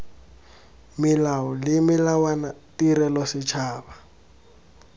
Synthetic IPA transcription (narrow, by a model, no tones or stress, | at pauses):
mɪlaɔlɪmɪlawanatiɾɛlɔsɪt͡ʃʰaːba